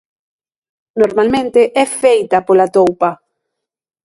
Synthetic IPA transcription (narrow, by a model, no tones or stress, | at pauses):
noɾmalmẽnt̪eʔɛfejt̪apolat̪owpa